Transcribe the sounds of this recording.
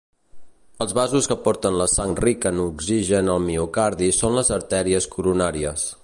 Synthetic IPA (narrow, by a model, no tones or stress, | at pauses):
əlˠzβazuskəpɔɾt̪ənləsaŋrikənuɡziʒənəlˠmiukaɾðisonləzəɾt̪ɛɾiəskuɾunaɾiəs